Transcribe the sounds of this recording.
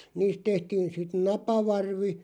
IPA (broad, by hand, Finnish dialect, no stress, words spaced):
niːst tehtiːn sit nɑpɑʋɑrʋi